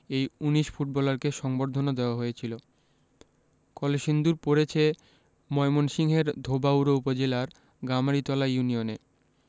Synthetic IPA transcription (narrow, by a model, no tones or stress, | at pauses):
ejuniʃfuʈ̚bɔlaɾkeʃɔŋboɾd̪ʱonod̪eoaɦoet͡ɕʰilo | kɔleʃind̪uɾpoɾet͡ɕʰe | mɔemonʃiŋɦeɾd̪ʱobauɾoupod͡ʑelaɾ | ɡamaɾit̪ɔlajunione